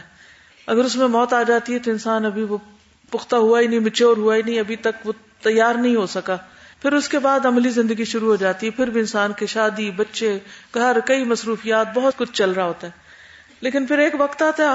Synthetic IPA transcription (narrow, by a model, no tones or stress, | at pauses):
ɐɡəɾʊsmẽmɔːt̪aːd͡ʒaːt̪iɦɛt̪oɪnsaːnɐbʱiʋo | pʊxt̪aɦuainɐɦĩmɪt͡ʃʰeɔːɾɦuainɐɦĩɐbʱit̪ɐkʋo | t̪ɐjːaːɾnɐɦĩɦosɐkaːpʰɪɾʊskebaːd̪ɐmlizɪ̃nd̪əɡiʃʊɾuɦoːd͡ʒaːt̪iɦɛpʰɪɾbʱiɪnsaːnkeʃaːd̪ibɐtːʃeɡʱɐɾkɐimɐsɾuːfijaːt̪̚bɐɦʊt̪kʊt͡ʃʰt͡ʃɐlɾaɦoːt̪aɦɛː | leːkɪnpʰɪɾeːkʋɐkt̪aːt̪ɦɛ